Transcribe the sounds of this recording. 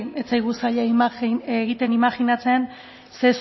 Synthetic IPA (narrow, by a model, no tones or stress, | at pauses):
et͡sajɣusaʎameɣit̪enimaxinat͡se̞an | se̞s